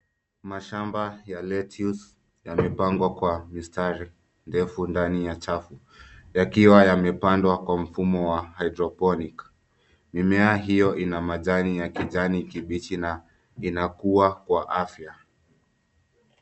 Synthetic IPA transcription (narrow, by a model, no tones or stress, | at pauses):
maʃambajalɛtʰius | jamɛpaŋɡwakwamistaɾi | ndɛfundanijat͡ʃafu | jakiwajamɛpandwakwam̩fumɔwahajdɾɔpɔnik | mimɛaɦijɔʔinamaʄanijakiʄanikiɓitina | inakuakwaʔafja